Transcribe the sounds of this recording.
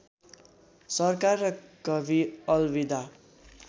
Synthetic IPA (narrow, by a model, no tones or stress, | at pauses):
sʌrkarːʌkʌbʱiʌlbid̪a